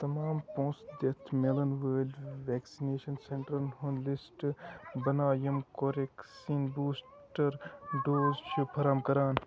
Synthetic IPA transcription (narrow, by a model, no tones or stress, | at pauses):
t̪ɐmaːmpõːsd̪et̪ʰmelɐnʋɐːlʋɛːksineːʃɐnseɳʈɾɐnɦonlisʈbɐnaːjɐmkoɾeksiːnbuːs | ʈɐɾɖoːzt͡ʃʰupʰɐɾaːmkɐɾaːn